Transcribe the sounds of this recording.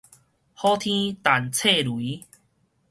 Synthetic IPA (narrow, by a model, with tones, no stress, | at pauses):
hɔ˦t̪ʰĩ˦t̪a˨˩nt͡sʰe˥˧˨lwi˨˦